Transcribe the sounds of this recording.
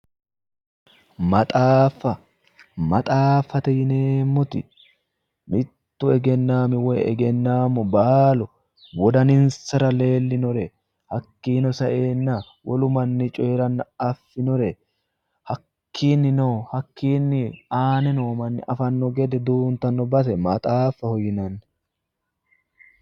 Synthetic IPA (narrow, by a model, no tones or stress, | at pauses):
mɐt̪ʼaːfɐ | mɐt̪ʼaːfːɐt̪ɛjɪneːmːʊt̪ɪ̰ | mɪt̪ːʊɛɡɛnːaːmɪwɛɛ̰ɡɛnːaːmʊbaːlɔ | wɔd̪ɐnɪnsɐɾɐle̞ːlːɪnɔɾɛ | hɐkːiːnɔsɐʔeːnːɐ | wʔɔlʊmɐnːɪt͡ʃʼɔɛɾɐnːɐɐfːɪnɔɾɛ | hɐkːiːnːɪnohɐkːiːnːɪaːnɛnoːmɐnːɪ̰ʔɐfɐnːɔɡɛd̪ɛd̪uːnt̪ɐnːɔbɐt̪ɛmɐt̪ʼaːfːɐhɔjɪnɐnː